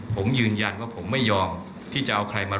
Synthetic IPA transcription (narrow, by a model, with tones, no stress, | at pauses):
pʰo˩˦mjɯː˧nja˧nwaː˥˩pʰo˩˦mːa˥˩jːɔː˧m | t̪ʰiː˥˩t͡ɕa˨˩ʔa˧wkʰɾa˧jmaː˧